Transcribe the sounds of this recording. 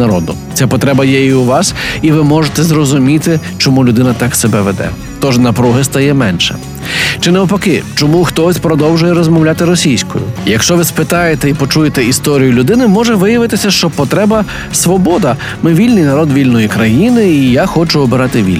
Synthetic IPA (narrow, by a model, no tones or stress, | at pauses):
nɐɾɔ̰d̪ʊ̰ | t͡sʲapɔt̪ɾɛbɐjɛiuʋɑsiʋɪmɔʒet̪ɛzrɔzʊmʲit̪ɪt͡ʃɔmulʲʊd̪ɪnɐt̪ɑksebɛʋḛd̪ɛ̰ | t̪ɔʒnɐpɾuɦɪst̪ɐjɛmɛnʃɛ̰ | t͡ʃɪnɛɔpɐkɪt͡ʃɔmuxt̪ɔsʲpɾɔd̪ɔwʒʊjɛɾɔzmɔwlʲat̪ɪɾɔsʲijsʲkɔ̰jʊ̰jɐkʃt͡ʃɔʋɪspɪt̪ɑjet̪ɛipɔt͡ʃujet̪ɛist̪ɔɾʲijʊlʲʊd̪ɪnɪmɔʒɛʋɪjɐʋɪt̪ɪsʲɐʃt͡ʃɔpɔt̪ɾɛbɐ | sʋɔbɔd̪ɐ | mɪʋʲilʲnɪjnɐɾɔd̪ʋʲilʲnɔjikɾɐjinɪːjaxɔt͡ʃʊɔbɪɾɑt̪ɪʋʲḭlʲ